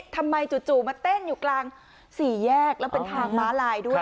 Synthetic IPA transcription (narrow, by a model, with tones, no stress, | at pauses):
t̪ʰa˧mːa˧jt͡ɕu˨˩t̪̚t͡ɕuː˨˩maː˧t̪e˥˩njuː˨˩klaː˧ŋ | siː˨˩˦jɛː˥˩k̚lɛː˦˥wpe˧nt̪ʰaː˧ŋmaː˦˥laː˧jdu˥˩əj